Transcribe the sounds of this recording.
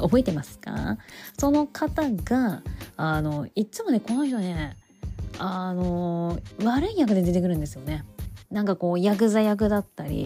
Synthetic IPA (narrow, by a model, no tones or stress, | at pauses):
o̞bo̞et̪e̞masɨ̥ka̰so̞no̞kʰat̪aɡaː | no̞iːɨmo̞ne̞ko̞no̞çi̥t̪o̞ne̞ | ano̞βaɾɯ̟ijak̬ɯ̟d̪e̞d̪e̞t̪̬ekɯ̟ɾɯ̟nd̪esɨjo̞ne̞nãŋkako̞ːjak̬ɯ̟zajak̬ɯ̟d̪at̪ːaɾʲḭ